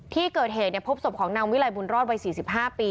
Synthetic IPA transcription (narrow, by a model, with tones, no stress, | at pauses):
t̪ʰiː˥˩kɤː˨˩t̪̚ɦeː˨˩t̪̚ni˥˩ɐpʰo˦˥p̚so˨˩p̚kʰɔː˩˦ŋnaː˧wi˦˥la˨˧˩jbu˧nɾɔː˥˩t̪̚wa˧jsiː˨˩si˨˩p̚ɦaː˥˩piː˧